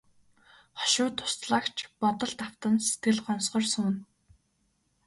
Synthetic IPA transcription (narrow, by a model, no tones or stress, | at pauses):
χɔ̥ʃʊːt̪ʰːʊ̥st̪ɮaːkt͡ɕʰpɔt̪ɞ̆ɮt̪aw̥t̪ə̆nse̥t̪ɡɘ̆ɮɢɔnsχɞ̆rsʊːn